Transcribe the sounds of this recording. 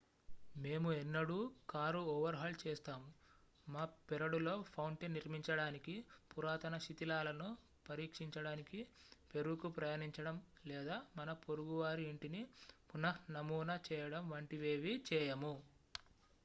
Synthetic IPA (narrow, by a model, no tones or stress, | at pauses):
me̞ːmuɛnːɐɽuːkaːɾuɔːʋɐɾɦɐlt͡ʃɛːst̪aːmu | maːpiɾɐɽulo̞ːpʰɐwɳʈenːiɾmiɲt͡ʃɐɽaːnikipuɾaːt̪ɐnɐʃit̪ilaːlɐnu | pɐɾiːkʂiɲt͡ʃɐɽaːnikipe̞ɾukupɾɐjaːniɲt͡ʃɐɽɐmlɛːd̪aːmɐnɐpo̞ɾuɡuʋaːɾiːɳʈinipunɐhnɐmuːnɐt͡ʃɛːjɐɽɐmʋɐɳʈiʋeːʋit͡ʃɛːjɐmu